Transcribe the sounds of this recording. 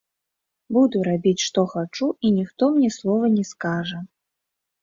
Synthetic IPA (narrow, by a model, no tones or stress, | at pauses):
bud̪uɾabʲit͡sʲʂt̪ɔxat͡ʂuinʲixt̪ɔmnʲɛslˠɔvɐnʲɛskaʐɐ